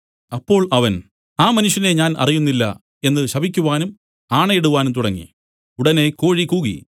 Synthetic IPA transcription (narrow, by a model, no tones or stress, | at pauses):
ɐpːo̞ːɭɐʋɐn | aːmɐnuʂjɐne̞ɲaːnʔɐ̰rijunːilːɐ̰ | e̞nːɨɕɐbʱikʲːuʋaːnum | aːɳɐjeɽuʋaːnumt̪uɽɐŋːḭ | uɽɐne̞ko̞ːɻikuːɣḭ